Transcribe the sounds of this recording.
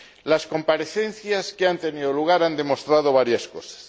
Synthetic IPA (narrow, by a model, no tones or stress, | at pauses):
lasko̞mpaɾeθen̟θjaskeant̪e̞niðoluɣ̞aɾand̪e̞most̪ɾað̞oβaɾjaskosḁs